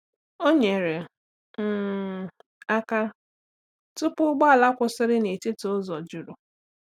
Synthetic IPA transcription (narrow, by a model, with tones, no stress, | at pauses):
o˦ɲe˨ɾe˨ | m̩˦˨ | a˦ka˦ | tʊ˦pʊ˦ɡ͡bɔ˦a˨la˦kʷʊ˨sɪ˦ɾɪ˦ne˨tɪ˦tʊ˦zɔ˨d͡ʒu˨ɾʊ˨